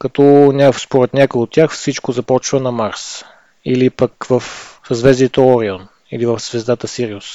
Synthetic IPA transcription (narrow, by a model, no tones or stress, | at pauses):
kɐt̪ɔnʲafspoɾɛt̪nʲakojot̪ːʲjaxfsit͡ʃkozɐpɔt͡ʃvənɐmaɾs | ilipəkvəfsəzvɛzd̪it̪əɔɾion | ilivəfzvɛzd̪at̪əsiɾiʊs